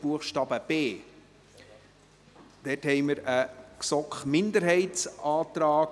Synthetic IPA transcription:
b̥uəχʃtɑːbəb̥eː | d̥ɛthɛɪməɾəksɔkχmɪnd̪əɾɦɛɪtsɑːt̪ɾɑː

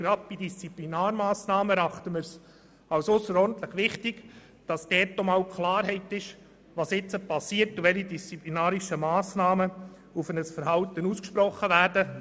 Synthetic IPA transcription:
ɡ̥ɾɑp̚pidist͡siplinɑːɾmɑːsnɑːməɾɑχtəməɾs | ɑwsʊsəɾɔɾn̩tləχʋɪχtiɡ̥ | d̥ɑsd̥ɛːtːomɑwkʰlɑːɾɦɛɪtɪʃ | vɑsɪt͡səpɑsiːəɾtuvɛlidist͡siplinɑːɾiʃəmɑːsnɑːmə | ufənəsfəɾhɑltənuːskʃpɾɔχːəvæːɾdə

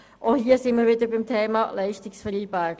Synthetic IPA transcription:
ʔohiːəsɪnmiəɾʋɪdəbɪmtʰeːmɑlɛɪʃtɪksfəɾiːbæɡ̥

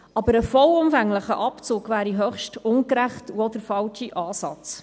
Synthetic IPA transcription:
ʔɑbəɾəfɔlʊmfæŋləχəʔɑpt͡suːɡvæːɾiɦœχʃtʊnkɾæχtuɔdəɾfɑlt͡ʃiʔɑːsɑt͡s

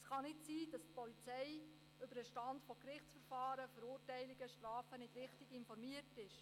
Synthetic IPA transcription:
ɛsχɑnɪtsiːd̥ɑstpɔlit͡sɛɪ | ʏbəɾəʃtɑntfɔkrɪχt͡sfəɾfɑːɾəfəɾʊːrtɛɪlɪɡ̥əʃtrɑːfənɪd̥rɪχtɪɡɪnfɔɾmiərtɪʃ

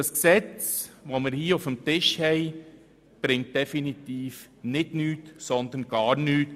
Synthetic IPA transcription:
ɑsksɛt͡sʋomɪːɾhiːofəmtɪʃhɛɪ | b̥ɾɪŋt̚d̥ɛfinit̪iːf | nɪdnyːtsɔnd̪ənɡ̥ɑːɾnyːt

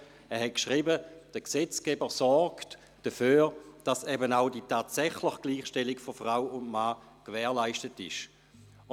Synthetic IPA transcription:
ɛɐɦɛt̚kʃʁibəd̥əkset͡skɛbəsɔɾkt | d̥əføːʁd̥asɛbənaʊditaːtsɛχləχɡ̥liːχʃtɛlikfofʁaʊʊndmaː | kvɛːɐlaɪʃtətɪʃ

